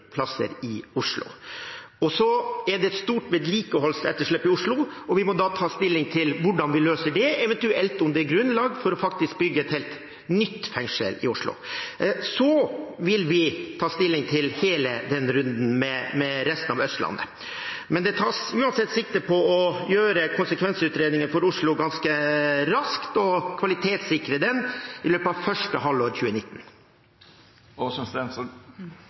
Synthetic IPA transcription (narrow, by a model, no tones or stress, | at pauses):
pʰlɑsə̰ɾɪʊʂlʊ̰ | ɔsɔɛɖɛt̪st̪uːʈʋɛːd̪liːkəhɔlsɛ̰t̪ːəʂɭɛpːɪʊʂɭʊɔʋɪmɔd̪ɑt̪ʰɑːst̪ɪlːɪŋt̪ʰɪlʋʊɖɑnʋɪløːsəɖɛɛʋɛnt̪ʉɛlt̪ʊmd̪ɛæɾɡɾʉnlɑːɡfɔɾɔfɑk̚t̪ɪsk̚bʏɡːəɛt̪hɛːlt̪ | nʏt̪ːfɛŋʂə̰lɪ̰ʊʂɭʊ̰ | sɔʋɪlʋɪt̪ʰɑːst̪ɪlːɪŋt̪ʰɪlheːləd̪ɛnɾʉnd̪n̩mɛmɛɾɛst̪n̩ɑʋœst̪lɑ̰nːə̰ | mɛnd̪ɛt̪ʰɑːsʉːɑnsɛt̪ːsɪk̚t̪əpʰɔɔjøːɾəkʰʊnsəkʰʋɛnsəʉːt̪ɾeːd̪nɪŋənfɔɾʊʂɭʊɡɑnskəɾɑskt̪ɔkʰʋɑlɪt̪ʰeːt̪sɪkɾəd̪ɛnɪløːpəɑʋfœʂʈəɦɑlːoːɾçʉːənɪt̪ːn̩ | ɔsɔmsɛns